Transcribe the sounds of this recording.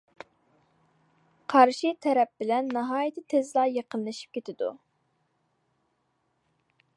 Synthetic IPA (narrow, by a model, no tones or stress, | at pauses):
qʰɑɾʃit̪ʰɛɾɛp̚bɪlɛnːɑɦɑːjit̪ʰɪt̪ʰezlˠɑjeqənlˠɨʃi̥p̚kʲet̪ʰɪd̪ṵ